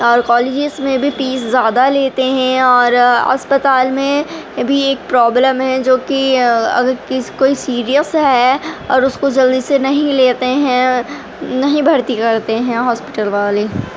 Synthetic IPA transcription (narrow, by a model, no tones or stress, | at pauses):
ɔːɾkɔːleːd͡ʒɪzmẽbʱipiːszjaːd̪aleːt̪eɦɛ̃ɔːɾɐ̰spət̪aːlmẽbʱieːk̚pɾɔːbləmɦɛ̃d͡ʒoːkiɐ̰ɡəɾkɪkoːisiːɾijəsɦɛɔːɾʊskod͡ʒɐld̪isenɐɦĩleːt̪eɦɛ̃ | nɐɦĩbʱɐɾt̪ikɐɾt̪eɦɛ̃ɦɔːspɪʈəlʋaːle